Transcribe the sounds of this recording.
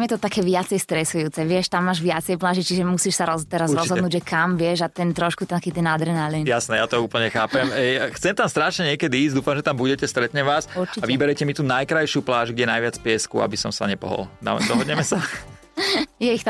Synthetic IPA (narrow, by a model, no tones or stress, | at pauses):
amjɛt̪ɔt̪akɛːʋɪat͡sɛjst̪ɾɛsujuːt͡sɛʋɪɛʃt̪amːaːʒʋɪat͡sɛjplaːʒit͡ʃiʒɛmusiːʃsaɾɔt̪ɛɾazɾɔzɦɔd̪nuːɟʒɛkamʋɪɛʒat̪ɛnt̪ɾɔʃkut̪ɛakiːt̪ɛnad̪ɾɛnalinjasnɛjat̪ɔuːpl̩ɲɛxaːpɛmxt͡sɛmt̪amst̪ɾaʃɲɛɲɪɛkɛd̪iiːzd̪uːfamʒɛt̪ambuɟɛcɛst̪ɾɛt̪ɲɛmʋaːsuɾt͡ʃiaʋibɛɾɛcɛmit̪uːnajkɾajʃɪuplaːʒɡɟɛnajʋɪat͡spɪɛskṵa̰bisɔmsa̰ɲɛpɔ̰ɦɔ̰ld̪a̰md̪ɔɦɔd̪ɲɛmɛsa | jɛixt̪